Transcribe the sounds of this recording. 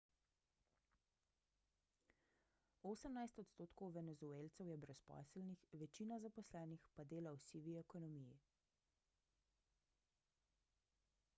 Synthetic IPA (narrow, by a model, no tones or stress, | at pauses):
oːsəmnajst̪ɔt̪st̪oːt̪kɔwʋɛnɛzueːlt̪sɛwjɛbɾɛspɔ̰səlnixʋɛt͡ʃiːnazapɔslɛːnixpad̪eːlawsiːʋiɛkɔnɔmiji